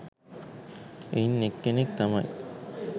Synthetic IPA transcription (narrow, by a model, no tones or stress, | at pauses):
einːekːenek̚t̪ɐmɐj